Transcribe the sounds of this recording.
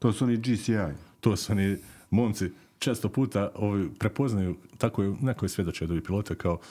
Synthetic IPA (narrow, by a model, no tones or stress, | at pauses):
t̪oːsuonid͡ʒisiajt̪oːsuonimoːmt̪si | t͡ʃeːst̪opuːt̪aoʋipɾe̞po̞znajut̪akojenekojesʋje̞d̪ot͡ʃeod̪oʋipiloːt̪ekao